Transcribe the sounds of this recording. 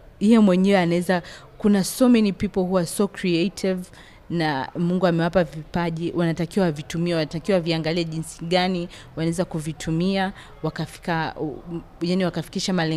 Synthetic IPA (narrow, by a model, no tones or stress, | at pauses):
ijɛmwɛɲɛwɛanaɛzakunasɔmɛnipipɔɦuwasɔkɾiɛetʰiv | namuŋɡuamɛwapavipaʄiwʔanatakiwaavitumiɛwanatakiwaaviaŋɡaliɛʄinsi̥ɠani | wanaɛzakuvitʰumia | wakafi̥ka | janiwakafi̥kiʃamalɛ